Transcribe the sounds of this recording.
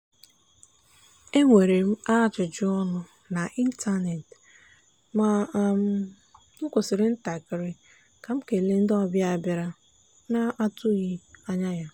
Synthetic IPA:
e˦ŋʷe˨ɾe˨m̩˦a˦˨t͡ʃʊ˨d͡ʒɪ˦ɔ˦nʊ˦ | na˨ʔi˦n̩˦tʰa˦ne˨t | ma˨m̩˦ | ŋʊ˦kʷo˨sɪ˨ɾɪ˦n̩˦ta˨kɪ˨ɾɪ˦ | ka˨m̩˦ke˨le˦n̩˦dɔ˦bja˨bɪ˨ɾa˦ | na˦ʔa˦tʊ˦ɣi˦a˦ɲa˦ja˦

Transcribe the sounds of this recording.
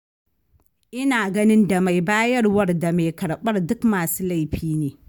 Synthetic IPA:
ʔɪ˦naː˨ɡɐ˦nɪ˦nda˨ma˨jbaː˦jɐ˦rwɐ˦rda˨me˨kɐ˨ɽɓɐ˦rdʊ˦kmaː˨suː˦la˦˨jɸiː˦neː˨

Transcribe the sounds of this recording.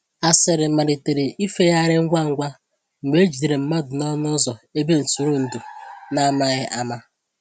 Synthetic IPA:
a˦sɪ˦˨ɾɪ˨˦ma˨ɾe˨te˨ɾe˨ʔi˦fe˦ja˦ɾɪ˦ŋ̩˦ɡʷa˦ŋ̩˦ɡʷa˦ | ŋ͡m̩˨ɡ͡be˦d͡ʒi˨de˨ɾe˨m̩˦ma˦dʊ˨nɔ˦nʊ˦zɔ˨e˦be˦n̩˨su˨ɾu˦n̩˨du˨na˦ma˦ɣɪ˦ʔa˦ma˦

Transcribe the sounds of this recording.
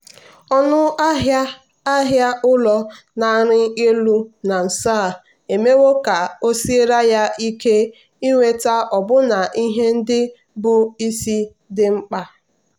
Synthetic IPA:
ɔ˦nʊ˦a˦ɦa˦ | a˦ɦja˦ʔʊ˦lɔ˦ | na˨˦˨ɾɪ˦e˦lu˦na˨n̩˨saː˦˨ | e˨me˦wo˦ka˨o˦si˦e˦ɾa˦ja˦ʔi˦ke˦ | i˦ŋʷe˦ta˦ɔ˨bʊ˦na˨ʔi˦ɦe˦n̩˦dɪ˦ | bʊ˨i˦si˦ | dɪ˦ŋ͡m̩˦k͡pa˦

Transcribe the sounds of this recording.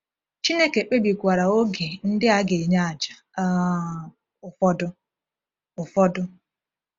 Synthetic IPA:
t͡ʃi˦ne˦ke˨k͡pe˦bi˨kʷa˨ɾa˨o˦ɡe˨n̩˦dɪ˦a˦ɡe˨ɲa˦a˨d͡ʒḁ˨˦ | ʊ˨fɔ˦dʊ˦ | ʊ˨fɔ˦dʊ˦

